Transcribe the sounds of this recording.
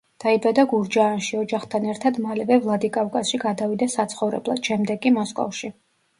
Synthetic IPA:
d̪̥aibad̪aɡuɾd͡ʒaːnʃiɔd͡ʒaχt̪ʰanɛɾt̪ʰad̪malɛvɛvlˠad̪ikʼafkʼasʃiɡad̪avid̪asat̪sʰχɔvɾɛ̰blˠad̪̥ʃɛmd̪ɛɡʼimɔskʼɔ̰fʃi

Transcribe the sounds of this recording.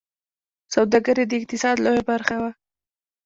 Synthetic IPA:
sawd̪aɡəɾed̪əɪq̚t̪ɪsɑd̪lojabaɾxawa

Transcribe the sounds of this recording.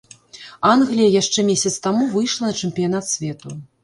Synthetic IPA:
anɣlʲijɐjaʂt͡ʂɛmʲesʲɐt̪st̪amuvɨjʂlˠɐnɐt͡ʂɛmpʲijanat̪sʲvʲɛt̪u

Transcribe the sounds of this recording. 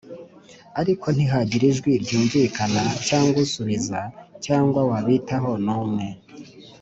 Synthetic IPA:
aɾikʰo̞n̥iɦaɟiɾiʒɡwiɾɟuːɱvikanacaːŋɡwusuβizacaːŋɡwawaβitaɦo̞nuːmŋe̞

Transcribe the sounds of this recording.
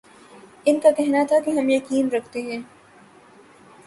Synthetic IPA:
ɪnkakɛɦnat̪ʰakeɦɐmjekiːmɾɐkʰt̪eɦɛ̃ː

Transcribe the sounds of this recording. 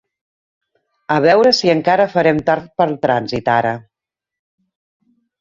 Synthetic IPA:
əβɛwɾəsiəŋkaɾəfəɾɛmt̪aɾt̪̚pəlˠt̪ɾanzit̪aɾə

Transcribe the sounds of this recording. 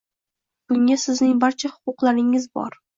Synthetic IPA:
b̥ʊŋʲasɪznɪŋbaɾt͡ʃʰahʊ̥qʊqlˠaɾɪŋɪzbɒ̰ɾ

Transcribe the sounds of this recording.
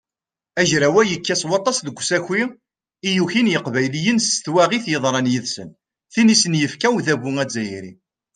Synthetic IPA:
æʒɾæwæjəkːæswɑt̪ˤːɑsðəɡʷːsæçi | ijuçinjəqvæjlijənst̪wæʁiθjəðˤɾˤɑnjiðsə̰n | θinisənjəfkæwðæβuŋæd͡zːæjɾḭ

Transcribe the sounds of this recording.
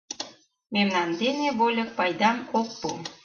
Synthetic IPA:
memnɑnd̪eneβolʲɤk̚pɑjd̪ɑmok̚pu

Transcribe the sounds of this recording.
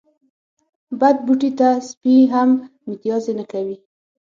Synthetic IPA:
bad̪̚buʈit̪aspiɦamːit̪jɑzenakawi

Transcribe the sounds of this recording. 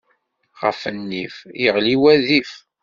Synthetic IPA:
ʁə̰fənːḭfjəʁliwæðif

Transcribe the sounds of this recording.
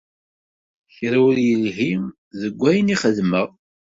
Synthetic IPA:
çɾæwəɾjəlɦi | ðəɡʷːæjniχəðməʁ

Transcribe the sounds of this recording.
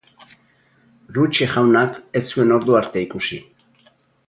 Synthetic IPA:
rut͡ʃexawnaket͡sue̞no̞ɾðuaɾt̪e̞ikusi

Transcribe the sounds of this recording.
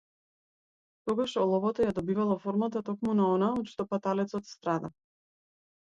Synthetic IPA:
t̪ɔɡaʃɔlˠɔvɔt̪ɔjad̪ɔbivalˠafɔɾmat̪at̪ɔkmunaɔnaɔt̪ʃt̪ɔpat̪alɛt̪sɔt̪st̪ɾad̪a

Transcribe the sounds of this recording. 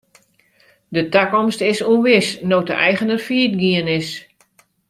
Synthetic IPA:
dətakɔmstɪsuənʋɪsnoːtəɛ̰jɣənərfiət̚ɡiənɪs

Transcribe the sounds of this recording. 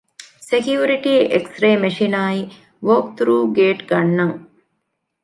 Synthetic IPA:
sekjuːɾiʈiːeksɾeːmeʂinaːi | ʋoːk̚t̪ʰɾuːɡeːʈɡɐnːɐŋ

